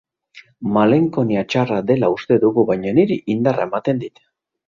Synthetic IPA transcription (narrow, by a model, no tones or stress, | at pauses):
male̞ŋko̞niat͡ʃarad̪e̞laust̪e̞ðuɣuβajɲaniɾiʔind̪arae̞mat̪e̞nd̪it̪